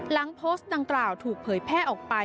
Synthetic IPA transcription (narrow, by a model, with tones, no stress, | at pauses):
la˩˦ŋpʰoː˦˥st̪̚da˧ŋklaː˨˩wt̪ʰuː˨˩k̚pʰɤː˩˦jpʰɛː˥˩ʔɔː˨˩k̚pa˧